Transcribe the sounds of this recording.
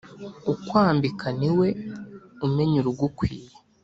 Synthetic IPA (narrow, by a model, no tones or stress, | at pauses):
ukwaːmbikʰaniwe̞ume̞ɲuɾuɡukwiːje